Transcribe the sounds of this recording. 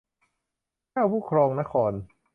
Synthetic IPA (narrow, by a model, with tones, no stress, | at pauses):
aː˥˩wpʰuː˥˩kʰɾɔː˧ŋna˦˥kʰɔː˧n